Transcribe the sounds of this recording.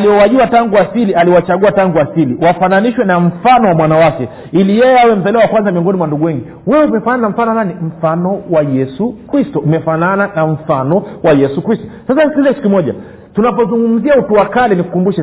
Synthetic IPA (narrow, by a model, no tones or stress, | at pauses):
aliɔwaʄuataŋɡuasilialiɔwat͡ʃaɠuataŋɡuasiliwafananiʃwɛnam̩fanɔwamwanawakɛ | ilijɛjɛawɛm̩zaliwawakwanzamiɔŋɡɔnimwanduɠuwɛŋɡi | wɛumɛfanananam̩fanɔnanim̩fanɔwajɛsukɾistɔumɛfanananaɱ̩fanɔwajɛsukɾistɔ̥sasaniskizɛkitu̥kimɔʄa̰ | tunapɔzuŋɡum̩ziautuwakalɛniku̥kumbuʃa